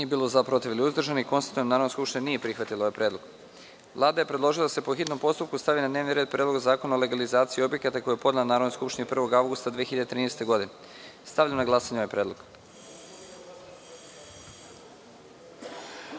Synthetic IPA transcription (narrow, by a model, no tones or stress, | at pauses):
nijebiːlˠo̞zapɾo̞t̪iʋiliuzd̪r̩ʒanoiko̞nst̪ḁt̪ujemnaːɾodnojskupʃt̪iɲenijepɾixʋat̪ilao̞ʋajpɾeːd̪loɡ̥ | ʋlˠaːd̪aje̞pɾed̪lo̞ʒilˠad̪ase̞po̞xit̪no̞mpo̞st̪up̚kust̪aʋinad̪neʋniɾed̪̚pɾeːd̪lo̞ɡzaːko̞naole̞ɡalizaːt̪sijio̞bjekat̪ako̞jepoelanaːɾod̪nojskupʃt̪iɲepr̩ʋo̞ɡaʋɡust̪ad̪ʋijeçiʎad̪et̪ɾiːnest̪eɡo̞d̪ine | st̪aʋʎʲamnaɡlˠasaɲeo̞ʋajpɾeːd̪lo̞ɡ̥